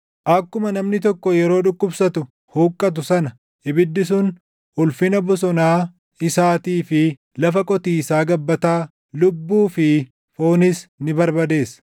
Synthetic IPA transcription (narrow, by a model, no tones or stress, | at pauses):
ʔɐkːʊmɐnɐmnɪt̪̬ɔkːɔjɛɾo̞ːᶑʊkʼːʊbsɐt̪ʊ | huːkʼːɐt̪̬ʊsɐnɐ | ɪbɪd̪ːɪs̬ʊn | hʊlfɪnɐbʊs̬ɔnaː | ɪsaːt̪iːfɪ | lɐfɐkʼɔt̪iːsaːɡɐbːɐt̪aː | lʊbːuːfɪ | fo̞ːnɪsnɪbɐɾbɐd̪e̞ːs